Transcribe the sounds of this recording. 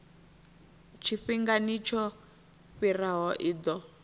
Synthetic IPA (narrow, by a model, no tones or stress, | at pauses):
t͡ʃʰiɸiŋɡanit͡ʃʰɔ | ɸiraɦɔʔid̪ɔ